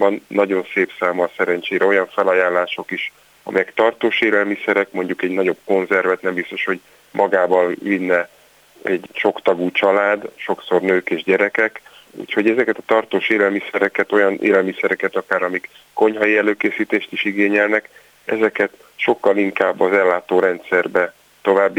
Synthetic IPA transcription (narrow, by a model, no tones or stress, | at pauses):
bɒnːɒɟo̞nseːpsaːmɒsɛɾɛnt͡ʃeːɾɛo̞jɒɱfɛlɒjaːlːaːʃo̞kiʃ | ɒ̰mɛjɛkt̪ɒrt̪oːʃeːlɛlmisɛɾɛkmo̞ɲɟukɛɟnɒɟo̞b̚ko̞nzɛrvɛt̪nɛmbist̪o̞ʃho̞ɟ | mʔɒɡaːbɒlvinːɛ | ɛɟʃo̞kt̪ɒɡuːt͡ʃɒlaːd̪ʃo̞kso̞rnøːkeːʒɟɛɾɛkɛk | ṵːcho̞ɟɛzɛkɛt̪ɒt̪ɒrt̪oːʃeːlɛlmisɛɾɛkɛt̪o̞jɒnʔḛːlɛlmisɛɾɛkɛt̪ɒkaːɾɒmikːo̞ɲhɒjiɛløːkeːsiːt̪eːʃt̪iʃiɡeːɲɛlnɛk | ɛzɛkɛt̪ | ʃo̞kːɒliŋkaːbːɒzɛlːaːt̪oːɾɛnt̪sɛrbɛ | t̪o̞vaːbːi